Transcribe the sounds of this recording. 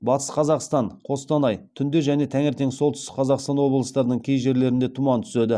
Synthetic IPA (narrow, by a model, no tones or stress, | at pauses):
bɑt̪ə̥sqʰɑzɑqst̪ɑɴqʰo̞st̪ɑnɑjt̪ʰʏnd̪e̞ʒæne̞t̪ʰæŋɪɾt̪e̞ŋso̞lˠt̪ʏst̪ɪ̥qʰɑzɑqst̪ɑnwo̞blˠəst̪ɑɾd̪əɴkʲʰejʒe̞ɾle̞ɾɪnd̪e̞t̪ʰumɑnt̪ʰʏ̥se̞d̪ɪ